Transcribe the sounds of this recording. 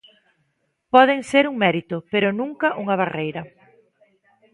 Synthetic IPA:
pɔðeŋseɾuŋmɛɾit̪ʊpeɾʊnũŋkɐʔuŋɐβ̞arejɾɐ

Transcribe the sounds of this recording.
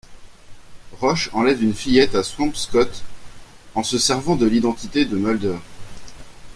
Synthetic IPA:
ʁɔʃɑ̃lɛvynfijɛt̪aswɑ̃pskɔt̪ | ɑ̃səsɛʁvɑ̃d̪əlid̪ɑ̃t̪it̪ed̪əmœld̪œʁ

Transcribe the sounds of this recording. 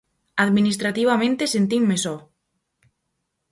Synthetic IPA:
aðminis̬t̪ɾat̪iβamẽnt̪esent̪iŋmesɔ

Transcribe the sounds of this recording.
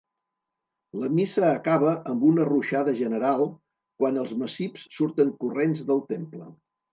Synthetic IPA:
ləmisəːkaβəʔəmbunəruʃaðəʒənəɾalˠ | kwanəlˠzməsipssuɾt̪əŋkurenzðəlˠt̪emplə

